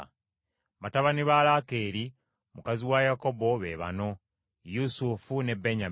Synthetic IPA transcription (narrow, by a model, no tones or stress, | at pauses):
βataβaniβalaːke̞ːɾi | mukaziwajako̞bo̞βe̞̰ːβa̰no̞ | jusufune̞beɲa